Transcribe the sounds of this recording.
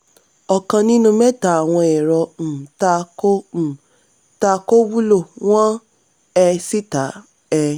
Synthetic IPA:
ɔ˨kã˧nĩ˦nũ˦mɛ˦ta˨a˨w̃ɔ̃˧ɛ˨ɾɔ˧m̩˨ta˧ko˦m̩˨ | ta˧ko˦wu˦lo˦˨w̃ɔ̃˦ | ɛ˧si˦ta˨˦ | ɛ˧

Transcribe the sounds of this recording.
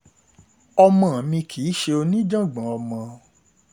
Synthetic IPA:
ɔ˧mã˨mĩ˧kʰi˨˦ʃe˧o˧nĩ˦d͡ʒã˦˨ɡ͡bã˨˦ɔ˧mã˧

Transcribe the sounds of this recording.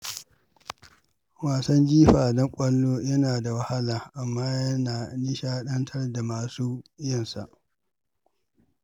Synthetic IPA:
waː˨sɐ˦nd͡ʒiː˦ɸaː˨dɔ˦ŋkʷʼɐ˦lːoː˦jɐ˦naː˨da˨wɐ˦ha˦laː˨ʔa˨mːaː˦jɐ˦naː˨ni˦ʃaː˦ɗɐ˦ntʰɐ˦rda˨maː˨suː˦jɐ˦˨nsa̰˨ʔ

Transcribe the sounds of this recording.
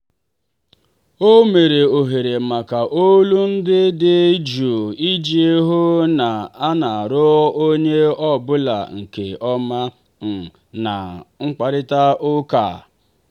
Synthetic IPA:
o˦me˨ɾe˨o˨ɦe˨ɾe˨ma˨ka˨ʔo˦lu˦n̩˦dɪ˦dɪ˦d͡ʒu˨i˦d͡ʒi˦e˦ɦʊ˦na˨a˦na˨a˨ɾʊ˦o˦ɲe˦ɔ˦bʊ˦la̰˨ŋ̩˨kḛ˨ɔ˦ma˦ | m̩˨ | na˨ŋ͡m̩˦k͡pa˨ɾɪ˦ta˦ʔʊ˦ka̰ː˨

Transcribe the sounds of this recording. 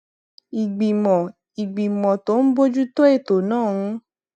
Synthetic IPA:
i˨ɡ͡bi˨mɔ̃˨ | i˨ɡ͡bi˨mɔ̃˨to˦n̩˦bo˦d͡ʒu˦to˦e˦˨to˨nãː˦˨˧

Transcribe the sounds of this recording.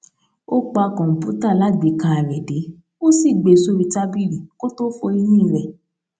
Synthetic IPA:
o˦k͡pa˧kɔ̃˨pu˨˦ta˦˨la˦ɡ͡be˨˦kã˧a˨ɾɛ˨de˨˦ | o˦si˦˨ɡ͡be˨su˦ɾi˧ta˦bi˦ɾi˨ko˦to˦fo˧i˧nĩ˦˨ɾɛ˨

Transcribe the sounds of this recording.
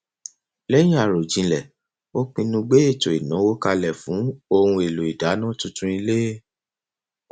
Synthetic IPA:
lɛ˦jĩ˦a˦˨ɾo˨d͡ʒĩ˨˧lɛ˨ | o˦k͡pĩ˧nũ˧ɡ͡be˦e˦˨to˨i˨nɔ̃˨˦wo˦ka˧lɛ˨fũ˨˦o˦˧hũ˧e˨lo˨i˨da˨˦nã˦tũ˧tũ˦i˧le˦˨

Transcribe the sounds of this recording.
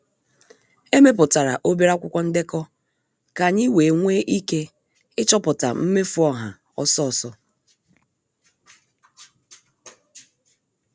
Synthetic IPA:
e˦me˦p̬ʊ˨ta˨ɾa̰˨ʔo˦bi˦ɾa˦kʷʊ˦kʷɔ˦n̩˦dɪ˦kɔ˦ | ka˨ɲɪ˦we˨ŋʷe˦ʔi˦ke˦ | ɪ˦t͡ʃɔ˦pʊ˨ta̰˨m̩˦me˦fu˨˦ɔ˦ɦa̰˨ | ɔ˦sɔ˦˨sɔ˦

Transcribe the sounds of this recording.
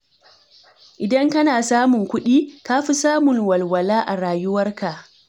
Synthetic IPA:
ʔɪ˨dɐ˦ŋkɐ˦naː˨saː˦mʊ˨ŋkʷʊ˦ɗiː˦kaː˦ɸi˦saː˦mʊ˨ŋwɐ˨lwɐ˨laː˦ʔa˨ɽaː˨jʊ˦wɐ˦rka˨ʔ

